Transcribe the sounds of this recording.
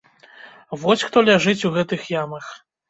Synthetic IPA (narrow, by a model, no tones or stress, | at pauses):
vɔsʲxt̪ɔlʲaʐɨt͡sʲuɣɛt̪ɨxjamɐx